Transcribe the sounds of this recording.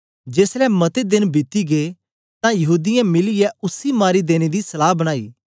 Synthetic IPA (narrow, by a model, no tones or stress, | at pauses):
d͡ʒeːslɛmɐt̪ed̪ɪnbɪt̪iɡeː | t̪ãjɐɦuːd̪ɪjãmɪlɪjɛʊsimaːɾid̪eːñed̪isɐlaːɦbɐɽ̃aːḭː